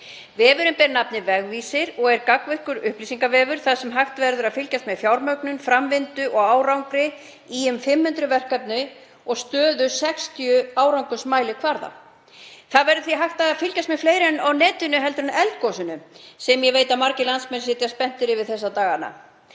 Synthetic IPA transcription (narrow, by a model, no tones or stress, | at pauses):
vɪvʏɾʏmpɛɾnapnɪvɛɣvisɪɾɔɣɛɾkakvɛhkʏɾʏhpliːsiŋkavɛːvʏɾ̥θaðsɛmɦaxt̪vɛɾðʏɾaðfɪlcast̪mɛðfjawɾmœɥknʏnfɾamvɪnt̪ʏʔɔɣaːwɾawŋkɾɪ | iʏmfɪmːhʏnt̪ɾʏvɛr̥kapnɪ | ɔɣst̪œːðʏsɛkst̪ijʏaːwɾawŋkʏsmaːjlɪkʰvaɾða̰ | θaðvɛɾðʏθiɦaxt̪aðaðfɪlcast̪mɛfleːjɾɛnawnɛːt̪ʏnʏɦɛlt̪ʏɾʏnɛlt̪kɔsʏnʏsɛmjɛveːjt̪amaɾcɪlansmɛns̬ɪːt̪jaspɛn̥t̪ɪɾɪvɪðθɛsːat̪aːɣana̰